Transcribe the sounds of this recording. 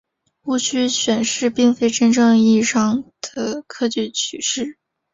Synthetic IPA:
u˥˩t͡ɕʰy˥ɕɥɛ˨˩nʂɻ̩˥˧pi˥˩ŋfe˥ɪʈ͡ʂə˥nʈ͡ʂɤ˥˧ŋi˥˩˧ʂɑ˥ŋd̪̥ə˨kʰɤ˥t͡ɕy˥˩t͡ɕʰy˨˩ʂɻ̩˥˩

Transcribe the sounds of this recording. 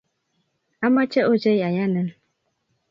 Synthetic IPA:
a˦ma˦t͡ʃe˦ʔo˦d͡ʒe˦ja˨ja˦nə˦n

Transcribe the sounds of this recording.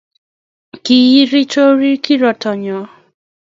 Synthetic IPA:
ki˦˨ji˦ɾi˦t͡ʃo˦ɾi˦ki˦ɾɔ˨tʰɔ˨ɲɔ˨

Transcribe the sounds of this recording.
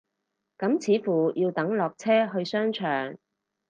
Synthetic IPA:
kɐ˨˥mt͡sʰiː˨˥fuː˨˩jʔiː˧wt̪ɐ˨˥ŋlɔː˨k̚t͡sʰɛː˥ɦɵ˧ɥsœː˥ŋt͡ʃʰœː˨˩ŋ

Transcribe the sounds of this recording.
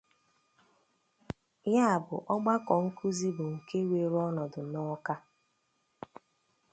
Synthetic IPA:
ja˦a˨bʊ˨ʔɔ˦ɡ͡ba˦kɔ˨ŋ̩˦kʰu˦zi˦bʊ˨ŋ̩˨ke˦we˨ɾɔ˦nɔ˨dʊ˨nɔ˦ka˦

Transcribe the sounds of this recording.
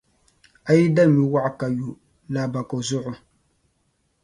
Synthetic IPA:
a˨ji˦da˦˨mi˨wa˦ʔka˨ju˨ | la˨ba˨ko˨zʊ˦ʔʊ˦

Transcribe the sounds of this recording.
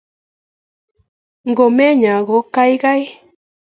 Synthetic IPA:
ŋɡo˨mɛ˦ɲa˨ɣo˨˦ka˦jɣa˦j

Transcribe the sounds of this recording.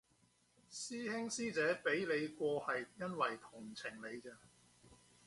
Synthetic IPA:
siː˥hɪ˥ŋsiː˥t͡sɛː˨˥pe˨˥jle˨˧jkʷɔː˧hɐ˨jjɐ˥nwɐ˨jt̪ʰʊ˨˩ŋt͡sʰɪ˨˩ŋle˨˧jt͡sɛː˧

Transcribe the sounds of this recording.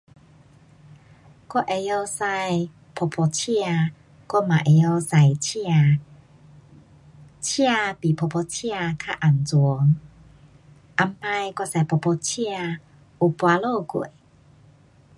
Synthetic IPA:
kwɔ˥ʔe˨˧jo˧sa˧j | pʰo˧pʰo˧t͡ɕʰi˦˧a˧ | kɔ˥˦mã̰˨ʔe˨jo˧sa˨˩jt͡ɕʰa˧ | t͡ɕʰi˦a˧pi˨pʰo˧pʰo˧t͡ɕʰi˦˧a˧kʰa˦˧ʔa˨˩nt͡su˨˦ŋ | ʔa˧mpa˧jka˧sa˨˩jpʰo˨˧˩pʰɔ˧t͡ɕʰi˦˧a˧ | u˧pwa˧lo˥˧˨kwe˨

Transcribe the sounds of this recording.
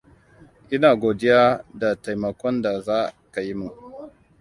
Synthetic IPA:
ʔɪ˦naː˨ɡʷoː˨dɪ˦jaː˦da˨ta˨jmɐ˨kʷɔ˦nda˨zaː˦ka˨ji˦mu˨

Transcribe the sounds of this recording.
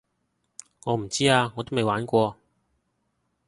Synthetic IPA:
ŋɔː˨˧m̩˨˩t͡siː˥aː˧ŋɔː˨˧t̪o˥wme˨jwaː˨˥nkʷɔː˧

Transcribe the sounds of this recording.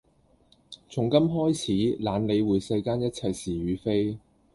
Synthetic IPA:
t͡sʰʊ˨˩ŋkɐ˥mɦɔː˥jt͡sʰiː˨˥laː˨˧nle˨˧jwuː˨˧jsɐ˧jkaː˥njɐ˥t̚t͡sʰɐ˧jsiː˨˩ɥyː˨˧fe˥j

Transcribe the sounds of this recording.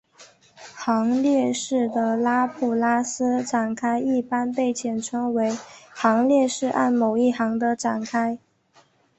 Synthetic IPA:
xɑ˧˥ŋljɛ˥˧ʂɻ̩˥˩d̪ə˩la˥pʰu˨˩la˥sɹ̩˥ʈ͡ʂa˨˩nkʰa˥ɪi˥˩pa˥npe˥˩ɪt͡ɕʰjɛ˨˩nʈ͡ʂʰɤ˧˥ŋwe˧˥ɪxɑ˧˥ŋljɛ˥˧ʂɻ̩˥˧ʔa̰˥˩nmo˨˩ʊi˥˩xɑ˧˥ŋd̪ə˧ʈ͡ʂa˨˩nkʰa˥ɪ

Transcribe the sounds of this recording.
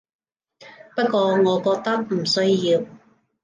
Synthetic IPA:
pɐ˥t̚kʷɔː˧ŋɔː˨˧kɔː˧k̚t̪ɐ˥k̚m̩˨˩sɵ˥ɥjiː˧w

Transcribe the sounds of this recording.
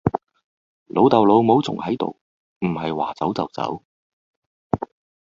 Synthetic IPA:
lʔo˨˧wt̪ɐ˨wlo˨˧wmo˨˥wt͡sʰʊ̰˨˩ŋhɐ˨˥jt̪o̰˨w | m̩˨˩hɐ˨jwa̰ː˨˩t͡sɐ˨˥wt͡sɐ˨˩wt͡sɐ̰˨˥w

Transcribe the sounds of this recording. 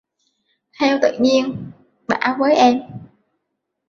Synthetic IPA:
t̪ʰɛ˧wt̪ɨ̰˧˨ɲi˧ən | ɓa̰ː˧˩vəː˨˦jʔɛ˧m

